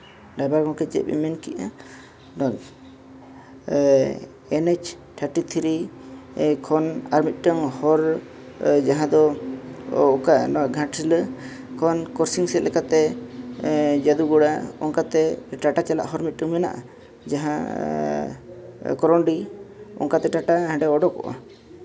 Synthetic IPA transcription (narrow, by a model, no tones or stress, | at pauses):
ɖajbaɾɡɔ̃kɛd͡ʒɛ̰ḭmɛnkiʔa | dɔ | ɛnɛt͡ʃ | t̪ʰaɾʈit̪ʰɾi | kʰɔnaɾmit̪̚ˀʈəŋhɔɾ | d͡ʒaɦãd̪ɔ | ɔkanɔɡʱãʈɾilə | kʰɔnkɔɾsiŋsɛt̪̚lɛkat̪ɛ | d͡ʒad̪uɡɔɽaɔ̰ŋkat̪ɛʈaʈat͡ʃala̰ʔɦɔɾmit̪̚ˀʈəŋmɛna̰ʔa̰ | d͡ʒaɦã | kɔɾɔɳɖiɔ̰ŋkat̪ɛʈaʈaɦɛ̃ɖɛɔɖɔkɔ̰ʔa̰